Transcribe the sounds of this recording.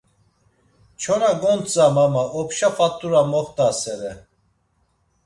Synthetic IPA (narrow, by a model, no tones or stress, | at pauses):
t͡ʃʰɔnaɡɔnt͡sʼamamaʔɔpʃapʼat̪ʼːuɾamɔχt̪ʼasɛɾɛ